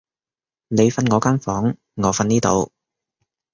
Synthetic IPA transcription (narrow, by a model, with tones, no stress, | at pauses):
ne˨˧jfɐ˧nŋɔː˨˧kaː˥nfɔː˨˥ŋ | ŋɔː˨˧fɐ˧niː˥t̪o̰˨˧w